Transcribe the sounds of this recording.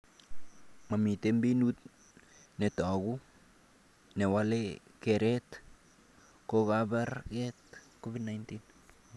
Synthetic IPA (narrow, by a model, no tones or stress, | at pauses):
mamitembinut̚ | netɔɡu | newalekeɾet | kokabaɾkɛt̚koβidnajntin